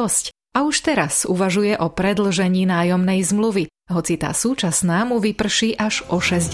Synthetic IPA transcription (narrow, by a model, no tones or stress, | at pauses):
sc | auʃt̪ɛɾasuʋaʒujɛʔɔpɾɛd̪l̩ʒɛɲiːnaːjɔmnɛjzmluʋi | ɦɔt͡sit̪a̰ːsuːt͡ʃasnaːmuʋipr̩ʃiːʔaʒʔɔʃɛzɟ